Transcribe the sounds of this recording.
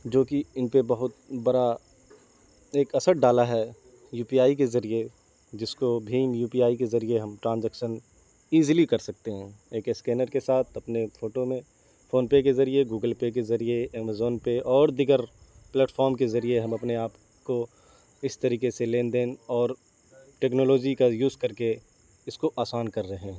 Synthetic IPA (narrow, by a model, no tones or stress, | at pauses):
d͡ʒoːkiɪnpebɐɦʊt̪bɐɾa | eːkɐsəɽ̚ɖaːlaɦɛ | juːpiaːik̬ezɐɾie | d͡ʒɪskobʱiːmjuːpiaːikezɐɾieɦɐmʈɾãːnzɛːkʃən | iːzlikɐɾsɐk̚t̪eɦɛ̃ːeːkɪskɛːnəɾkesaːt̪ʰɐpnefʰoːʈomẽ | fʰoːnpek̬ezɐɾieɡuːɡəlpek̬ezɐɾieeːmazoːnpeʔɔːɾd̪ɪɡəɾ | plɛːʈfɔːɾmkezɐɾieɦɐ̃mɐpneaːp | ko | ɪst̪ɐɾiːkeseleːnd̪eːnɔːɾ | ʈeːknoːloːd͡ʒikajuːzkɐɾke | ɪskoʔaːsaːnkɐɾːɐɦẽːɦɛ̃